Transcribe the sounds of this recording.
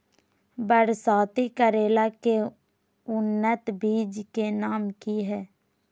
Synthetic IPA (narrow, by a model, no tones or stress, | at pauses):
bəɾsaːt̪ikəɾeːlake | ʊnːət̪biːd͡ʒkenaːmkiɦɛː